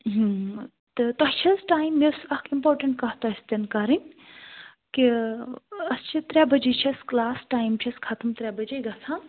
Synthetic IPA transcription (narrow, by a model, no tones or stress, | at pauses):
ɦɨ | t̪ɨt̪ɔɦt͡ʃʰɐzʈaːjmːesɐkimpoːɾʈɐɳʈkɐɦt̪ost̪ɐnkɐɾinʲ | ki | ɐst͡ʃʰit̪ɾʲɛbɐd͡ʒit͡ʃʰiɐsklaːsʈaːjmt͡ʃʰiskʰat̪ɨmt̪ɾʲabɐd͡ʒejɡɐsʰãː